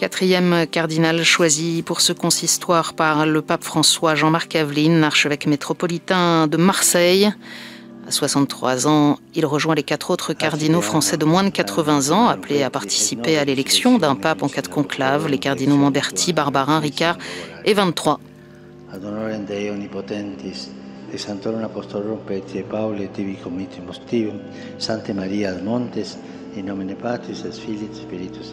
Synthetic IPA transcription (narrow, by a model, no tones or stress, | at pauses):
kat̪χijɛmkaʁd̪inalʃwazipuʁsəkɔ̃sist̪waʁpaʁləpapfχɑ̃swaʒɑ̃maʁkavlinaʁʃəvɛkmet̪χɔpɔlit̪ɛ̃d̪əmaʁsɛj | a̰swasɑ̃t̪t̪ːχwa̰zɑ̃ | ilʁəʒwɛ̃lekat̪χot̪χəkaʁd̪inofχɑ̃sɛd̪əmwɛ̃d̪kat̪χəvɛ̃zɑ̃apleapaʁt̪i̥sipealelɛksjɔ̃d̪ɛ̃papɑ̃kad̪kɔ̃klavlekaʁd̪inomɑ̃d̪ɛʁt̪ʰibaʁbaʁɛ̃ʁikaʁevɛ̃nt̪ːχwa | ad̪onoɾend̪eeonipot̪ent̪isesant̪oɾonapost̪olopet̪iepawlet̪iβikomit̪emost̪iβo | sãnt̪emaɾiaðmõnt̪es | inomenepat̪ɾisesfilit̪piɾit̪us